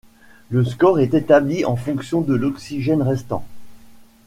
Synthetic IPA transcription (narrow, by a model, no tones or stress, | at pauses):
ləskɔʁɛt̪et̪abliɑ̃fɔ̃ksjɔ̃d̪əlɔksiʒɛnʁɛst̪ɑ̰̃